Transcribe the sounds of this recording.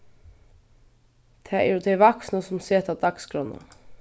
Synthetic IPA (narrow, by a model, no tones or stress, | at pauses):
t̪ʰæːɛ̰ɾjud̪eɪʋɑksnəsʊmseːt̪ʰɑd̪ɑkskɾɔnə̰